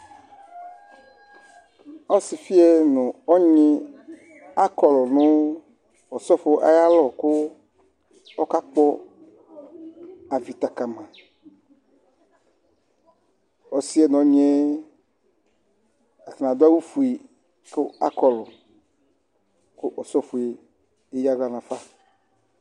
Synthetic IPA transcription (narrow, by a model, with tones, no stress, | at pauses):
ɔ˦si˨fi˦ɛ˦nũ˨ɔ˦ɲĩ˦ | a˦kɔ˨lɔ˨nʊ̃˦ | wɔ˨sɔ˦fo˦ʔa̰˨ja˦lɔ˨ko˦ | ɔ˦ka˦k͡pɔ˦ | a˨vi˨t̪a˨ka˨mã˨ | ɔ˨si˦e˦n˨ɔ˦ɲe˦ | a˨θã˨d̪o˦a˦wu˦fu˨i˨ | ko˦a̰˦kɔ˨lɔ˨ | kʊ˦ʔɔ˨sɔ˦fu˨e˨ | e˦ja˦ɡa˦nã˨fa˦